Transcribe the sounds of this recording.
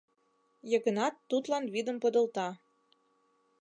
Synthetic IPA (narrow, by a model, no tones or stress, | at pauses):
jɤ̆ɣə̆nɑt̪ːut̪lɑnβid̪ə̆mpŏd̪ɤ̆lˠt̪ɑ